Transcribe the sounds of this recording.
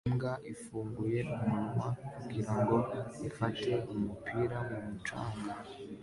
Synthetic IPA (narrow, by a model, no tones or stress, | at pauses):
mɡaʔifuːŋɡuje̞ʔumuɾumakuɡiɾaŋɡo̞ifate̞umupʰiɾamumut͡ʃa̰ːŋɡa